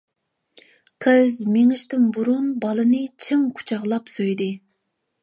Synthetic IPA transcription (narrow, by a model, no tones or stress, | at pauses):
qʰəzmeŋɪʃt̪ɪnbuɾunbɑlˠɨnɨt͡ʃʰɪŋkʰu̥t͡ʃʰɑʁlˠɑpsojd̪ɪ